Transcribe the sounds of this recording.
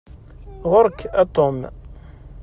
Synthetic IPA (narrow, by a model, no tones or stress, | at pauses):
ʁʊɾkːæt̪om